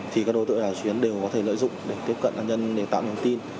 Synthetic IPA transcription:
t̪ʰi˨˩kaː˦˥k̚ɗo˨˧˦t̪ɨ̰˧˨jɗaː˨˩wt͡ɕwi˨˦ənɗe˨˩wkɔ˨˦t̪ʰe˧˩lə̰ː˧˨jzʊ̰˧˨ŋ͡mɗe˨˩k̚t̪i˦əp̚kə̰˧˨nʔaː˧nɲə˧nɗe˨˩t̪a̰ː˧˨wɲi˨˧ət̪i˧n

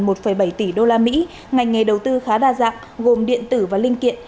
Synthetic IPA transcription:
mo˨˩t̚fə˧˩jɓə˧˩jt̪i˧˩ɗo˧laː˧mḭ˧˥ | ŋa˨˩jŋ̟ŋa˨˩ɗə˨˩wt̪ɨ˧xaː˨˦ɗaː˧˩za̰ː˧˨ŋ | ɣo˨˩mɗḭ˧˨ənt̪ɨ˧˩vaː˨˩lï˧ŋ̟kḭ˧˨n

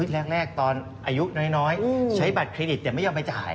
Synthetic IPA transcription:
i˦˥t̪̚ɾɛː˥˩k̚ɾɛː˥˩k̚t̪ɔː˧n | ʔaː˧ju˦˥nɔː˦˥jnɔː˦˥jt͡ɕʰa˦˥jba˨˩kʰɾeː˧di˨˩t̪̚ːɛː˨˩ma˥˩jːɔː˥˩mha˥˩jt͡ɕaː˨˩j

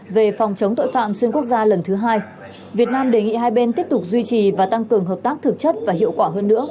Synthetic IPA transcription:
ve˨˩fɔ˨˩wŋ͡mt͡ɕə˨˦wŋ͡mt̪o̰˧˨jfa̰ː˧˨mswi˧nku˦˥ək̚zaː˧lə˨˩nt̪ʰɨ˨˦ɦaː˧j | vi˨˩ət̚naː˧mɗe˨˩ŋḭ˧˨haː˧jɓe˧nt̪i˦˥əp̚t̪ʊ˨˩k͡p̚zwi˧t͡ɕi˨˩vaː˨˩t̪a˧ŋkɨ˨˩əŋɦəː˨˩p̚t̪aː˦˥k̚t̪ʰɨ˨˩k̚t͡ɕə˦˥t̚vaː˨˩ɦḭ˧˨əwkwaː˧˩ɦəː˧nːɨ̰˧˥ə

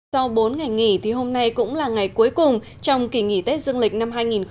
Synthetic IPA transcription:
ɔ˧wɓo˨˦nŋa˨˩jŋḭ˧˩˨t̪ʰi˨˩ɦo˧mna˧jkʊ̰˧˥ŋ͡mlaː˨˩ŋa˨˩jku˨˦jkʊ˨˩ŋ͡m | t͡ɕɔ˧wŋ͡mki˧˩ŋḭ˧˩t̪e˦˥t̚zɨ˧əŋlï˨˩k̟̚na˧mɦaː˧jŋi˨˩nx

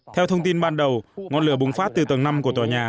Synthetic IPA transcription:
t̪ʰɛ˧wt̪ʰə˧wŋ͡mt̪i˧nɓaː˧nɗə˨˩wŋɔ˧nlɨ˧˩əɓʊ˨˩ŋfaː˦˥t̚t̪ɨ˨˩t̪ə˨˩ŋna˧mku˧˩ət̪waː˨˩ɲaː˨˩

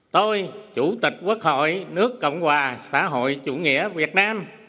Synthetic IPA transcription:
t̪o˧jt͡ɕu˧˩t̪ï˨˩k̟̚kwu˦˥k̚ho̰˧˨jnɨ˦˥əkːə̰˧˨wŋ͡mhwaː˨˩sa̰ː˧˥ɦo̰˧˨jt͡ɕṵ˧˩ŋḭ˧˥əvi˨˩ət̚naː˧m

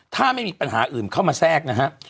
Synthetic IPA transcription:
t̪ʰaː˥˩ma˥˩jmiː˧˥pa˧nɦa̰ː˩˦ʔɯː˨˩mkʰaː˥˩wmaː˧sɛː˥˩k̚na˦˥kʰa˦˥ʔ

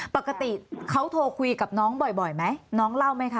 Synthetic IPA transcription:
pa˨˩ka˧t̪i˨˩kʰa˦˥wt̪ʰoː˧kʰu˧ka˨˩p̚nɔː˦˥ŋbɔ˨˩jbɔ˨˩jma˦˥jnɔː˦˥ŋla˥˩wma˦˥jkʰa˦˥˩

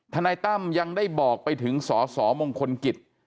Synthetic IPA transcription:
t̪ʰaː˧naː˧jt̪a˥˩mja˧ŋdaː˥˩jbɔː˨˩k̚pa˧jt̪ʰɯ˩˦ŋsɔː˩˦sɔː˩˦moː˧ŋkʰo˧nki˨˩t̪̚

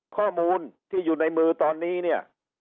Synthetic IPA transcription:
kʰɔː˥˩muː˧nt̪ʰiː˥˩juː˨˩na˧jmɯː˧t̪ɔː˧nːiː˦˥˩ni˥˩ɐ

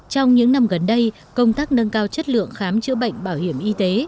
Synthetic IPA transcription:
t͡ɕɔ˧wŋ͡mɲɨ̰˧˥ŋna˧mɣə˨˩nɗə˧j | kə˧wŋ͡mt̪aː˦˥k̚nə˧nkaː˧wt͡ɕə˦˥t̚lɨ̰˧˨əŋxaː˨˦mt͡ɕɨ̰˧˥əɓə̰˧˨jŋ̟ɓaː˧˩whi˧˩əmʔi˧t̪e˨˦

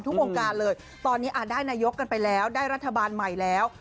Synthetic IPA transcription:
nt̪ʰu˦˥k̚ʔoː˧ŋkaː˧nlɤː˧j | t̪ɔː˧nːiː˦˥ʔaː˨˩t̪̚daː˥˩jnaː˧jo˦˥kːa˧npa˧jlɛː˦˥wdaː˥˩jɾa˦˥t̪ʰːa˧baː˧nma˨˩jlɛː˦˥w

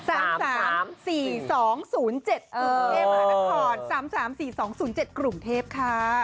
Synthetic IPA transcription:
saː˩˦msaː˩˦msiː˨˩sɔː˩˦ŋsuː˩˦nt͡ɕe˨˩t̪̚u˨˧˩eː˦˥p̚ːaː˧˥a˧˥kʰɔː˧˩nsaː˩˦msaː˩˦msiː˨˩sɔː˩˦ŋsuː˩˦nt͡ɕe˨˩t̪̚kɾu˨˩mt̪ʰeː˥˩p̚kʰa˦˥

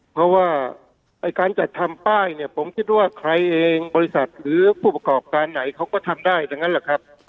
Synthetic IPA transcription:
pʰɾɔ˦˥waː˥˩ | ʔa˧˩jkaː˧nt͡ɕa˨˩t̪ʰːa˧mpaː˥˩jni˧˩ɐpʰo˩˦mkʰi˦˥t̪̚waː˥˩kʰɾa˧jʔeː˧ŋbɔː˧ɾi˧˥sa˨˩t̪̚ɾɯː˩˦pʰuː˥˩pa˧kɔː˨˩p̚kaː˧nːa˩˦jkʰa˦˥wkɔː˥˩t̪ʰa˧mdaː˥˩jda˧ŋa˦˥nlɛ˨˩kʰa˦˥p̚

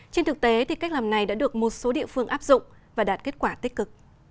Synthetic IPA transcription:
t͡ɕe˧nt̪ʰɨ˨˩k̚t̪e˨˦t̪ʰi˨˩ka˦˥k̟̚laː˨˩mna˨˩jɗa̰ː˧˥ɗɨ˨˩ək̚mo˨˩t̚so˨˦ɗḭ˧˨əfɨ˧əŋʔaː˦˥p̚zʊ̰˧˨ŋ͡mvaː˨˩ɗaː˨˩t̚ke˦˥t̚kwaː˧˩t̪i˦˥k̚kːɨ˨˩k̚

